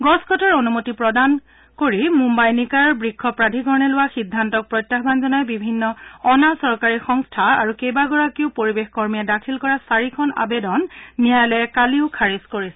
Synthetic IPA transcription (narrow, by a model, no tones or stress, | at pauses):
ɡɔskʰɔtɔɹonumotipɹɔdan | koɹimumbajnikaɹbɹikʰːɔpɹadʱiɡɔɹɔnɛlʊwaxidʱːantɔk̚pɹɔjtːaxbanzɔnajbibʱinːɔɔnasɔɹkaɹixɔŋstʰaaɹukejbaɡɔɹakiʊpoɹibexkɔɹmijadakʰilkɔɹasaɹikʰɔna̰bedɔnːijajlɛkaliʊkʰaɹiskoɹisɛ